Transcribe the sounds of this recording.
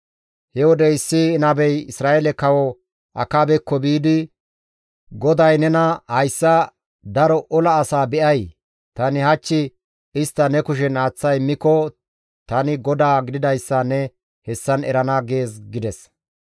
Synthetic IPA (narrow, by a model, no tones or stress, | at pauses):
hɛwɔd̪ɛɪsːɪːnɐbɛjɪsɾaːjɛlɛkɐwɔ | ʔɐ̰kaːbɛkːɔbiːd̪ɪ | ɡɔd̪ɐjnɛnɐhɐjsːɐ | d̪ɐɾɔʔɔlɐːsaːbɛʔɐj | t̪ɐnɪhɐt͡ʃːɪ | ɪst̪ːɐnɛkʊʃ̬ɛnaːt͡sːɐjmːɪkːɔ | t̪ɐnɪɡɔd̪aːɡɪd̪ɪd̪ɐjsːɐnɛ | hɛsːɐnɛɾɐnaɡe̞ːsɡɪd̪ɛs